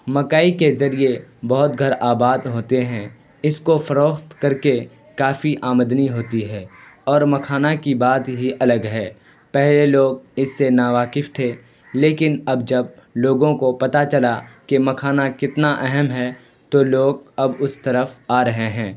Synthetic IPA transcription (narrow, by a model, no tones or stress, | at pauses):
mɐkaːikezɐɾiebɔɦʊt̪ɡʱɐɾaːbaːd̪ɦoːt̪eɦɛ̃ | ɪskofɐɾoːxt̪kɐɾke | kaːfiʔaːməd̪niɦoːt̪iɦɛːɔːɾmɐkʰaːnakibaːt̪ɦiʔɐləɡɦɛː | pɛɦleloːɡ̚ɪsːenaːʋaːkɪft̪ʰeː | leːkɪnɐbd͡ʒɐb̚loːɡõkopɐt̪at͡ʃɐlakemɐkʰaːnakɪt̪naʔɛɦɛmɦɛ | t̪oloːɡɐbʊst̪ɐɾəfaːɾɐɦeɦɛ̃ː